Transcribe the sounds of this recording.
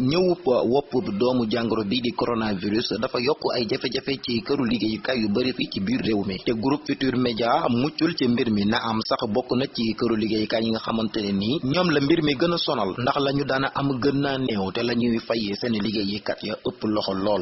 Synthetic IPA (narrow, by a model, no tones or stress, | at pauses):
ɲɐwupːɐwɔpːəpdɔːmuɟaŋɡəɾɔbidikoɾonaviɾisdɐfɐjɔkːuʔɐ̰jɟɛfɛɟɛfɛcikɐɾuliɡejikajubɐɾificibirːɛwmitɛɡuɾup̚fitiːɾmɛɟamucːulcəmbiɾminɐʔɐmsɐxbɔkːunɐcikɐɾuliɡejkaɲiŋɡɐxɐmɐntɐniniɲɔːmlɐmbiɾmiɡənɐsɔnɐlndɐxlɐɲudanɐʔɐmɡənːanɛwtɛlɐɲujifajɛsɛnɛliɡejikɐtjɐʔəpːəlɔxɔlɔːl